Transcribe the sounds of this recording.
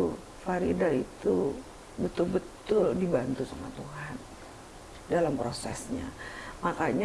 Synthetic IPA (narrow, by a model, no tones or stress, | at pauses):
faɾidait̪u | bət̪ʊlbət̪ʊldibant̪usama̰t̪uɦan | dalampɾosɛ̰sɲa̰makaɲ